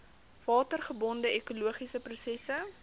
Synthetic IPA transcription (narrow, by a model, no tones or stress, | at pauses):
vɑːtərχəbɔndəʔekuluəχisəprusɛsə